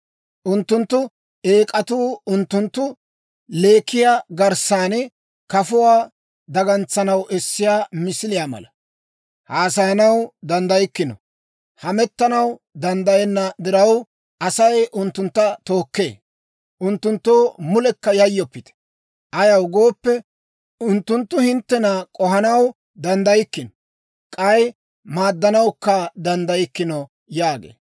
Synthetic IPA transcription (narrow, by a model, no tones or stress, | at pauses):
ʔʊnt̪ːʊnt̪ːʊ | eːkʼɐt̪uːʊnt̪ːʊnt̪ːʊ | le̞ːkːɪjaːɡɐɾsaːnɛ | kɐfʊwaː | d̪ɐɡɐnt͡sːɐnɐwʔɛsːɪjaːmɪsɪlɪjaːmɐ̰lɐ | haːsɐɐnɐwd̪ɐnd̪ɐjɪkːɪnɔ̰ | hɐmɛt̪ːɐnɐw | d̪ɐnd̪ɐjɛnːɐd̪ɪɾɐw | ʔɐsɐjʔʊnt̪ːʊnt̪ːɐt̪o̞ːkːe̞̰ː | ʔʊnt̪ːʊnt̪ːoːmʊlɛkːɐjɐjːɔpːɪt̪ɛ̥ | ʔɐjɐwɡo̞ːpːɛ | ʊnt̪ːʊnt̪ːʊhɪnt̪ːɛnɐkʼɔɦɐnɐw | d̪ɐnd̪ɐjɪkːɪnɔ | kʼɐj | maːd̪ːɐnɐwkːɐd̪ɐnd̪ɐjɪkːɪnɔ | jaːɡḛː